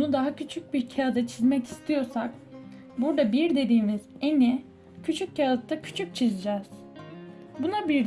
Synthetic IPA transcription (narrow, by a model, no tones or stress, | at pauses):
nud̪aɦacʰyt͡ʃʰyc̚biɾcʰad̪at͡ʃʰizmɛci̥st̪ʰijo̞ɾsak | buɾd̪abiɾd̪e̞d̪iːmizeni | cʰyt͡ʃʰyc̚calɯt̪t̪ːacʰy̥t͡ʃʰyc̚t͡ʃʰizid͡ʒɛːz̥ | bunabiɾd̪